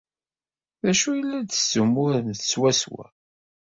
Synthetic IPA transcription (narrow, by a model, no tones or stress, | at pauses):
ðæʃujəlːæd̪ə̥sumːʊɾnθswæswæ̰